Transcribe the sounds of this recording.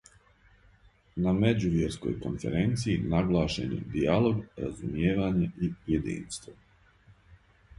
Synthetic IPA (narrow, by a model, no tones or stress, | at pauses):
name̞d͡ʑuʋjeɾsko̰jko̰nfeɾent̪siinaɡlˠaːʃḛnḛd̪ialˠo̞ɡɾa̰zumjeːʋaːɲeʔiujed̪ḭːnst̪ʋo